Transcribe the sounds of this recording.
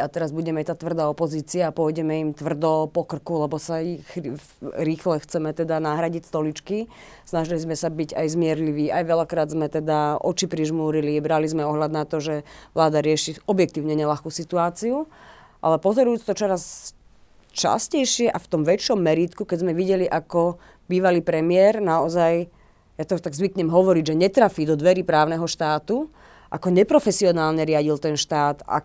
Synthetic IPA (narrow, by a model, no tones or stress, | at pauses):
at̪ɛɾazbuɟɛmɛajt̪aːt̪ʋr̩d̪aːɔpɔziːt͡siaːpɔjɟɛmɛimt̪ʋr̩d̪ɔpɔkr̩kulɛbɔsaii | ɾiːxlɛxt͡sɛmɛt̪ɛd̪anaɦɾaɟicst̪ɔlit͡ʃki | snaʒilizmɛsabiɟajzmɪɛɾliʋiːajʋɛʎakɾaːd̪zmɛt̪ɛd̪aʔɔt͡ʃipɾiʒmuːɾilibɾalizmɛɔɦlad̪nat̪ɔʒɛʋlaːd̪aɾɪɛʃiɔbjɛk̚t̪iːʊɲɛɲɛlaxkuːsit̪uaːt͡siu | ʔa̰lɛpɔzɔɾujuːt͡st̪ɔt͡ʃɔɾas | t͡ʃa̰scɛjʃɪɛʔaft̪ɔmʋɛt͡ʃɪɔmːɛɾiːt̪kukɛzmɛʋiɟɛliʔakɔ | b̥iːʋaliːpɾɛmiɪɛɾnaɔzaj | jat̪ɔt̪aɡzʋikɲɛmɦɔʋɔɾiɟʒɛɲɛt̪ɾafiːd̪ɔd̪ʋɛɾipɾaːʊnɛɦɔʃt̪aːt̪u | ʔa̰kɔɲɛpɾɔfɛsiɔnaːlɲɛɾɪaɟilt̪ɛnʃt̪aːt̪a̰